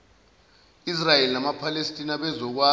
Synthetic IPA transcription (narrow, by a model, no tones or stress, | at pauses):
israjelinamapʰalestʼinaɓɛzɔk̬wa